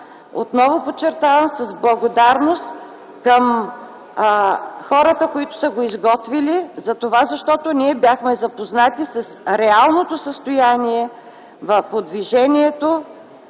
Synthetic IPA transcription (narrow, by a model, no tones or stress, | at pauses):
o̰t̪nɔvopot͡ʃːɛɾt̪avəmsəzblˠɐɡod̪aɾnost̪ | kəm | xɔɾət̪əkoit̪ʊ̥səɡoizɡɔt̪vilizɐt̪ovazɐʃt̪ɔt̪onʲiɛbjaxmɛzɐpoznat̪isɐsɾɛalˠnot̪osəst̪ojaniɛ | vɐfpod̪viʒɛnʲiɛt̪o